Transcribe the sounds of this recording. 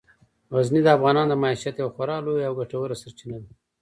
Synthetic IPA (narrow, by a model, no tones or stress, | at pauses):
ɣaznid̪əafɣɑnɑnd̪əmɑiʃat̪jawxaɾɑlojawɡaʈawəɾasaɾt͡ʃinad̪i